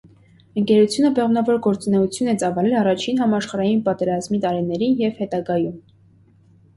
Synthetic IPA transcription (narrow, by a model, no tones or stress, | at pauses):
əŋkɛɾut͡sʰjunəbɛʁnɑvɔɾɡɔɾt͡sunɛut͡sʰjunɛt͡sɑvɑlɛlɑrɑt͡ʃʰinɦɑmɑʃχɑɾɑjinpɑt̪ɛɾɑzmit̪ɑɾinɛɾinjɛvhɛt̪ɑɡɑjum